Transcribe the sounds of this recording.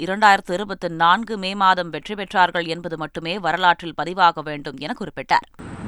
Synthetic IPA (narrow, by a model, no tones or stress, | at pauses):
ɪɾɐɳɖaːjɪɾɐt̪ːɯɪɾɯbɐt̪ːɯnaːnɡɯmeːmaːðɐmʋɛʈripɛʈraːɾɣɐɭɛnbɐðɯmɐʈːɯmeːʋɐɾɐlaːʈrɪlpɐðɪʋaːɣɐʋeːɳɖɯmɛnɐkːʊrɪpːɪʈːa̰ːɾ